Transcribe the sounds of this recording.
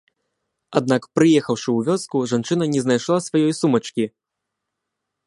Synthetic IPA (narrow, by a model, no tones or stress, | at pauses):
ad̪̚nakpɾɨjɛxɐwʂɨwvʲɔskuʐant͡ʂɨn̪ɐnʲɛznajʂlˠasvajɔjsumɐt͡ʂkʲi